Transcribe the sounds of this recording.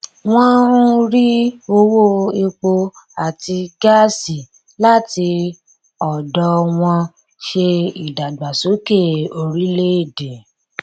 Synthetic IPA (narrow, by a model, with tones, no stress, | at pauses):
w̃ɔ̃˦ɾi˦o˧wo˦˨e˧k͡po˧ | a˨ti˧ɡa˦si˨ | la˦ti˧ | ɔ˨dɔ˧w̃ɔ̃˧ | ʃe˧i˨da˨ɡ͡ba˨so˨˦ke˦˨o˧ɾi˦le˦i˦˨de˨